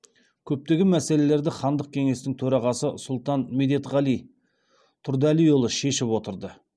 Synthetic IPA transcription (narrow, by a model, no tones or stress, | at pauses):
kʲʰɵp̚t̪e̞ɡʲɪmæse̞le̞le̞ɾd̪ɪχɑnd̪əq̚kʲʰe̞ŋe̞st̪ɪŋt̪ʰɵɾɑʁɑsəsʊlˠt̪ɑnmed̪e̞t̪ʁɑlij | t̪ʰʊɾd̪ælijolˠəʃe̞ʃɪpwo̞t̪əɾd̪ə